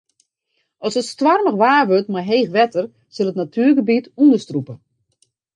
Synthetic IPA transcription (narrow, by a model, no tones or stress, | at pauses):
ɔsətstwarməxʋaːʋøtmajɦeːxʋɛtʰər | sɪlˠətnatʰyːrɡəbitundəstrupə